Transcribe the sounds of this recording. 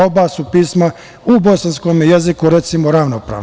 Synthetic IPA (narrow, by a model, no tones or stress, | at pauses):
obasupiːsma | ubo̞sanskomjezikuɾet̪simoɾaʋnopɾa̰